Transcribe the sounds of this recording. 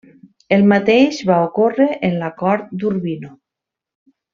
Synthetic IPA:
elˠmat̪ejʃβaokoreʔenlakɔɾt̪̚d̪uɾβino

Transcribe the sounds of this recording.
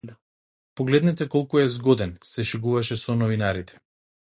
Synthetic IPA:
pɔɡlɛd̪nɛt̪ɛkɔlˠkuɛzɡɔd̪ɛnsɛʃɛɡuvaʃɛsɔnɔvinaɾit̪ʰɛ̥

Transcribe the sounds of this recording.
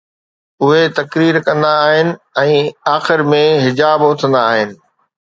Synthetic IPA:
ʊɦet̪ɐkɾiːɾkɐ̃nd̪aːɦɪnɪ̆ɛ̃ːaːxɪɾmẽɦɪd͡ʑaːbʊt̪ʰə̃nd̪aːɦɪnɪ̆

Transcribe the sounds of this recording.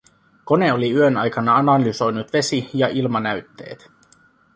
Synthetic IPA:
ko̞ne̞oliyønɑjkɑnɑɑnɑlyso̞jnut̪ʋe̞sijɑʔilmɑnæyt̪ːe̞̰ːt̪

